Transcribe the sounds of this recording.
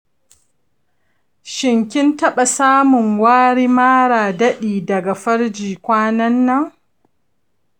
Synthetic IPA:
ʃɪ˨ŋkʲɪ˦ntɐ˦ɓa˨saː˦mʊ˨ŋwaː˦ɽiː˦maː˦ɽaː˨dɐ˦ɗiː˨dɐ˨ɡa˨ɸɐ˦ɽd͡ʒiː˨kʷaː˦nɐ˦nːɐ˦ŋ

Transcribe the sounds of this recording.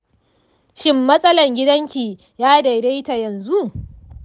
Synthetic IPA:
ʃɪ˦mːɐ˦sʼɐ˦lɐ˨ŋɡʲɪ˦dɐ˦ŋkʲi˨ | jaː˦da˨de˦jta˨jɐ˨nzu˦ʔ

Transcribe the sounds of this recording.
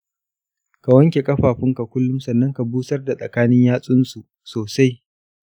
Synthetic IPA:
ka˨wɐ˦ŋkʲe˨kʼɐ˦ɸaː˨ɸɪ˦ŋka˨kʷʊ˦lːʊ˦msɐ˨nːɐ˦ŋka˨buː˦sɐ˦rda˨sʼɐ˨kaː˦nɪ˦ɲjaː˦sʼʊ˦nsu˨ | soː˨sa˦j

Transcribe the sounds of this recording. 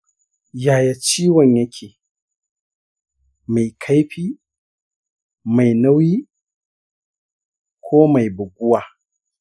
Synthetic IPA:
jaː˨ja˨t͡ʃiː˦wɐ˨ɲjɐ˦kʲʰeː˨ | ma˨jkʰa˦jɸiː˦ | ma˨jnɐ˦wiː˦ | kʷʰoː˦ma˨jbʊ˨ɡʷʊ˦waː˨

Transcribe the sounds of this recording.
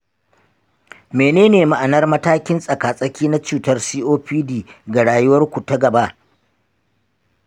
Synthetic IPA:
meː˨neː˦neː˨ma˨ʔa˨nɐ˦rmɐ˦taː˦kʲɪ˦nsʼɐ˨kaː˨sʼɐ˦kʲiː˦na˦t͡ʃuː˨tɐ˦rsiː˦ʔoː˦ɸiː˦diː˨ɡa˨ɽaː˨jʊ˦wɐ˦rkʷu˨tɐ˦ɡɐ˨ba˦ʔ

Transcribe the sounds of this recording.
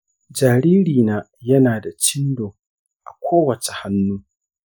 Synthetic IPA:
d͡ʒaː˨ɾiː˦ɾiː˨naː˦ | jɐ˦naː˨da˨t͡ʃɪ˦ndoː˨ | ʔa̰˨kʷʰoː˦wɐ˨t͡ʃe˨ha˦nːuː˦

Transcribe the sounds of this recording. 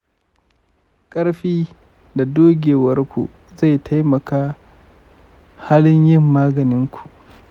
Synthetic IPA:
kʼɐ˦ɽɸiː˦ | da˨doː˦ɡʲeː˨wɐ˦rkʷṵ˨ʔ | za˦˨jtʰa˦jmɐ˨kaː˦ | ha˦lɪ˦ɲjɪ˦˨mːaː˦ɡɐ˨nɪ˦ŋkʷʰu̥˨ʔ

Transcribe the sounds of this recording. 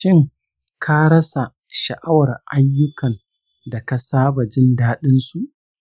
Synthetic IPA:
ʃɪ˦ŋ | kʰa˦ɾɐ˦sa˨ | ʃɐ˨ʔa˦wɐ˨rʔa˦jːʊ˦kɐ˨n | da˨ka˨saː˦ba˨d͡ʒɪ˦ndaː˦ɗɪ˦nsu˨ʔ

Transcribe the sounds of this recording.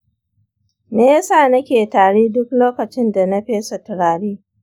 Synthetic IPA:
neː˦ja˦saː˦˨nɐ˦kʲeː˨taː˨ɽeː˦dʊ˦k̚loː˦kɐ˨t͡ʃɪ˦nda˨nɐ˦ɸeː˦sɐ˨tɪ˨ɽaː˨ɽiː˦

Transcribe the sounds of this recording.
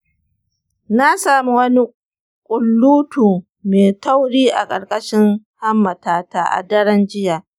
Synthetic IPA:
na˦saː˦mu˦wɐ˦ni˦ | kʷʼʊ˨lːuː˦tuː˨ | meː˨ta˦wɽiː˦ʔa˨kʼɐ˨rkʼɐ˦ʃɪ˦ŋ | ha˦mːɐ˨taː˨taː˨ʔa̰˨dɐ˦ɽɐ˦nd͡ʒɪ˦jaː˨

